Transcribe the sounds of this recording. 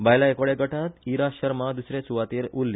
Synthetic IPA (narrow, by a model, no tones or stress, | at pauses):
bajlaekʋɭeɡəʈʰat̪iɾaɕəɾmad̪usɾet͡suʋat̪eːɾulːi